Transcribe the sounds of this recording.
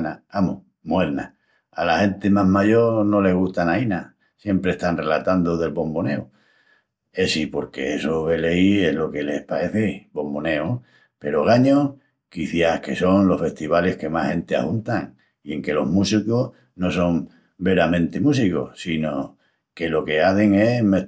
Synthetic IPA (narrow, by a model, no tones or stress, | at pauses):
naamoh | mwe̞ɾna̰ | alahe̞nt̪emaɦmaʝo̞ɾno̞le̞ɦɣ̞uht̪anaina | sje̞mpɾehst̪anre̞lat̪and̪oðe̞lpo̞mbo̞neu | e̞sipo̞ɾke̞esoβe̞leie̞ɦlo̞ke̞le̞hpae̞θebo̞mbo̞ne̞o | pe̞ɾo̞ɣ̞aɲo | kiθjahke̞so̞ŋlo̞hfe̞ht̪iβale̞hke̞mahhẽ̞nt̪ea̰hunt̪aŋ | ie̞ŋke̞lo̞̰ɦmusikoh | no̞so̞ŋ | be̞ɾamẽnt̪emus̬iko̞̰sino | ke̞lo̞ke̞aθe̞ŋe̞me